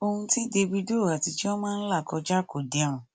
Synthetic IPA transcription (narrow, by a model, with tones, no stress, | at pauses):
o˧hũ˧ti˦de˧bi˧do˦˨a˨ti˧ti˦ɔ˦mãː˦n̩˦la˦˨kɔ˧d͡ʒa˦ko˨de˨ã˨